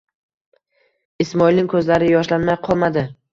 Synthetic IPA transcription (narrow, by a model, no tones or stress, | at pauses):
ɪsmɒilˠnɪŋkʰɵzlaɾɪjɒʃlanmajqʰɒlˠmad̪ɪ